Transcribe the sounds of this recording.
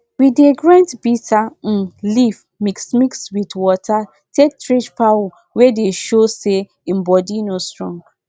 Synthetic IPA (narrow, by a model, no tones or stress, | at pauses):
wideɡɹãntbitʰan̩lif | miksmikswitwɔtʰa | tʰek̚tɹit͡ʃpaw | wedeʃose | m̩bɔdinostɹɔ̃ŋɡ